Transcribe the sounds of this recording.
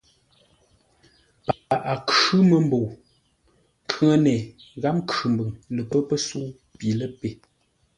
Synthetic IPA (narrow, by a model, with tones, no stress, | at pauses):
pa˨ʔa˨kʉ˦mə˨m˦bo˨w | ŋ˨kʰə˦ŋə˦nɛ˨ɣa˦mkʉ˨m˨bɨ˨ŋlə˨pə˦pə˦su˦ | pi˨lə˦pe˨